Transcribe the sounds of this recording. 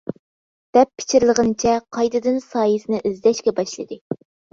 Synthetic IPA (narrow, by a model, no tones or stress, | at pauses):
d̪̥ɛpʰːɪ̥t͡ʃʰiɾlˠəʁənɨt͡ʃʰɛqʰɑjd̪ɨd̪ɨnsɑːjisɨnɨʔɪzlʲɛʃkʲɛbɑʃlˠɨ̰d̪ɨ